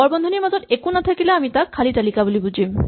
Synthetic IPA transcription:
ɔɹbɔnd̪ʱɔniɹmazɔtekunat̪ʰakileamitakʰːalitalikabulibud͡ʑʱim

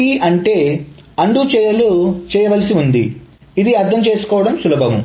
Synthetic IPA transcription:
iɐɳʈe̞ː | ɐɳɖut͡ʃɛːjɐlut͡ʃɛːjɐʋɐlsiund̪ḭ | id̪iɐɾt̪ʰɐmt͡ʃe̞ːsu̥kɔːʋɐɽɐmsulɐbʱɐʋɐm

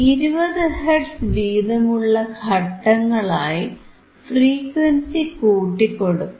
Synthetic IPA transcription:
iɾubɐðɨɦeɖsʋiːðɐmuɭːɐɡʰʱɐʈːɐŋːɐɭaːji | friːkʋɐnsikuːʈːikːo̞ɽukːu

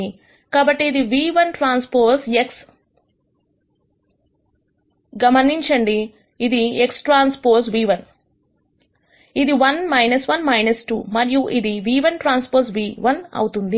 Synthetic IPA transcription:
i | kaːbɐʈːiːd̪iʋiːʋɐnʈɾaːnspoːseks | ɡɐmɐniɲt͡ʃɐɳɖiː | d̪ieksʈɾaːnspoːɾsʋiːʋɐn | id̪iʋɐnmɐjnɐsʋɐnmɐjnɐsʈṵːmɐɾijuʔid̪iʋiːʋɐnʈɾaːnspoːɾs̬ʋiːʋɐnɐ̰wut̪und̪i

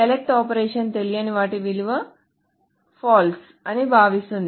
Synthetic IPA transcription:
ɐlek̚ʈaːpɐɾeːʂɐnt̪elijɐniʋaːʈiʋiluʋɐ | paːls | ɐnibʱaːʋist̪und̪

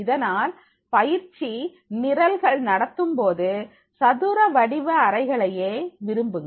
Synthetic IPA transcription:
ɪðɐnaːl | pɐjɪɾt͡ʃi | nɪɾɐlɣɐɭnɐɽɐt̪ːɯmpoːðɯ | sɐðuːɾɐʋɐɽɪʋɐɐɾɐɪɣɐɭɐjeːʋɪɾɯmbɯŋɡ

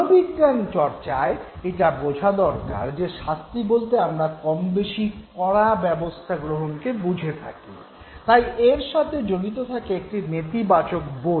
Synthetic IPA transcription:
biɡːant͡ɕɔɾt͡ɕaeeʈabod͡ʑʱad̪ɔɾka̰ɾd͡ʑeʃast̪ibolt̪eamɾakɔmbeʃikɔɽabɛbost̪ʰaɡɾoɦonkebud͡ʑʱet̪ʰa̰ki | t̪ajʔeɾʃat̪ʰed͡ʑonit̪̬ot̪ʰakeek̚ʈinet̪ibat͡ɕok̚bo

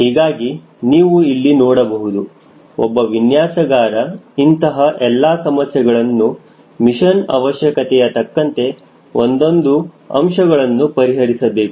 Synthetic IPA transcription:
ɦiːɡaːɡi | niːʋuilːinɔːɽɐbɐɦud̪u | ɔ̰bːɐʋinjaːsɐɡaːɾɐint̪ɐɦɐʔɛlːaːsɐmɐsjɐɡɐɭɐnːu | miʃɐnɐ̰ʋɐʃjɐkɐt̪ɛjɐt̪ɐkːɐnt̪e̞ | o̞̰nd̪o̞nd̪u | ɐ̰mʂɐɡɐɭɐnːupɐɾiɦɐɾisɐbe̞ːku

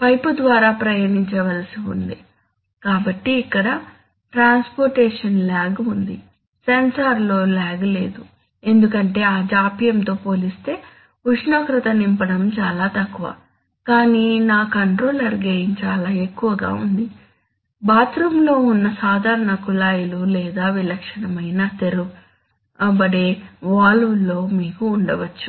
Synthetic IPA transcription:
pɐjpud̪ʋaːɾaːpɾɐjɐniɲt͡ʃɐʋɐlɐsiṵnd̪i | kaːbɐʈːiːkːɐɽɐ | ʈɾaːnspoɾʈɛːʂɐnlɛːɡɐund̪i | sensaːɾlo̞ːlɛːɡɐle̞̰ːd̪u | e̞nd̪ukɐɳʈe̞ːaːd͡ʒaːpijɐmt̪o̞ːpo̞ːlist̪e̞ː | uʂɳoːkɾɐt̪ɐnimpɐɽɐmt͡ʃaːlaːt̪ɐkːuʋɐ̰ | kaːniːnaːkɐɳʈɾoːlɐɾɡejint͡ʃaːlaːe̞kːuʋɐɡa̰ːṵnd̪i | baːt̪ɾumlo̞ːunːɐsaːd̪ʱaːɾɐɳɐkulaːjululɛːd̪aːʋilɐkʂɐnɐmɐjnɐt̪e̞ɾu | bɐɽeːʋaːlulːo̞ːmiːkuːɳɖɐʋɐt͡ʃːu̥

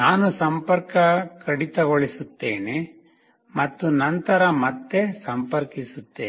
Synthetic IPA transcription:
naːnusɐmpɐɾkɐkɐɽit̪ɐɡoɭisut̪ːeːne | mɐt̪ːunɐnt̪ɐɾɐmɐt̪ːesɐmpɐɾkisut̪ːeː

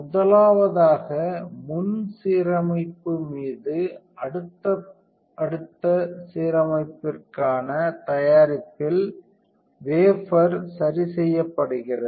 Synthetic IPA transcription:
mʊðɐlaːʋɐðaːɣɐmʊnsiːɾɐmɐɪpːɯmiːðɯ | ɐɽɯt̪ːɐ | ɐɽɯt̪ːɐsiːɾɐmɐɪpːɪrkaːnɐt̪ɐjaːɾɪpːɪl | ʋeːfɐɾsɐɾisɛjːɐpːɐɽɯɣɪrɐ

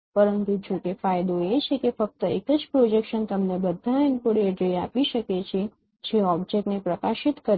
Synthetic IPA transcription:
pəɾənt̪ud͡ʒokefajd̪oet͡ʃʰekefək̚t̪əekəd͡ʒpɾod͡ʒekʃənt̪əmnebəd̪ʱaɪnpoɽed͡ʒəiapiʃəket͡ʃʰe | d͡ʒeɔbd͡ʒek̚ʈnepɾəkaʃɪt̪kəɾ

